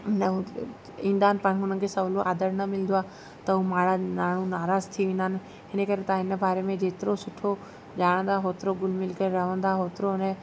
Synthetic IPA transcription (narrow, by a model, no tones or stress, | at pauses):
n | ĩːn̆d̪aːnɪ̆pãːɪ̃kʰɦʊnənɪ̆kʰeːsɐʋloʔaːd̪əɾnɐmɪlənd̪oaː | t̪ɐɦumaːɽanaːɽ̤unaːɾaːzt̪ʰiʋẽːn̆d̪aːnɪ̆ | ɦɪnəkɐɾet̪ãɦɪnəbʱaːɾemẽd͡ʑeːt̪ɪɾosʊʈʰo | ʄaːɽ̃ə̃nd̪aːɦoːt̪ɪɾoɡʊlmɪlkəɾɾɐʋə̃nd̪aːɦoːt̪ɪɾonɛ